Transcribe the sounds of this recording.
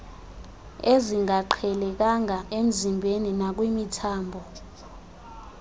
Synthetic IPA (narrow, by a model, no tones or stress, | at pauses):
eziŋaǃʰɛlɛk̬aŋaʔem̩zimbʱeninak̬wimitʰaːmbʱɔ